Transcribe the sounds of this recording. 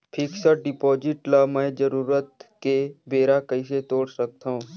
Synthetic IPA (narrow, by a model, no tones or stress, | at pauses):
pʰɪksəɖɪpoːd͡ʒɪʈlamɛ̃ːd͡ʒəɾuːɾət̪̚kebeːɾakɐiset̪oːɽsək̚t̪aɦũː